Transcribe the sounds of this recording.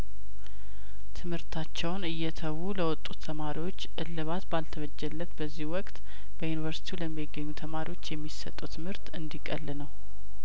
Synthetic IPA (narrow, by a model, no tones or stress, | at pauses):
t̪ʰɨmhɨɾt̪ʰat͡ʃːɛwnɨjːɛt̪ʰəwuləwɔt̪ʼːut̪ʰːəmaɾiwot͡ʃːʔɨlːɨβat̪balt̪ʰəβəd͡ʒːɛlːət̪bəzːihwɔkʼt̪ | b̥əjunivəɾsi̥t̪ʰiuləmːiɡːəɲːut̪ʰəmaɾiwo̞t͡ʃːjɛmːisə̰t̪ʼːut̪ʰɨmhɨɾt̪ɨnd̪ikʼəlːɨnəw